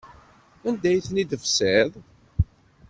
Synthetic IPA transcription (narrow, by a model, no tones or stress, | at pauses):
ænd̪æjθnid̪əfsɪðˤ